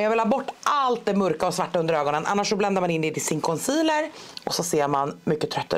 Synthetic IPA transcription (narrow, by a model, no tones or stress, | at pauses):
jɑːvɪlhɑːbɔʈːʔalt̪̚d̪ɛmɵɾkaɔsvaʈːaɵnd̪əɾøːɡɔnənʔa̰nːaʂɔblɛnd̪aɾmanɪnd̪ɛt̪ʰɪlsɪnkʰɔnsiːləɾɔsɔseːɾmanmʏkːət̪ʰɾœt̪ːa̰